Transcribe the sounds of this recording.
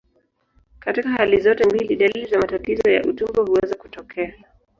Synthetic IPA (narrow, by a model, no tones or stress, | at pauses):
katikaɦalizɔtɛmbiliɗalilizamatatizɔja̰ʔutumbɔhuwɛzaku̥tɔkʰɛa